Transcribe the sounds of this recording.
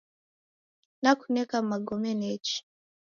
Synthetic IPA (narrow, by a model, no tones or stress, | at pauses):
nakunɛkamaɡɔmɛnɛt͡ʃi̥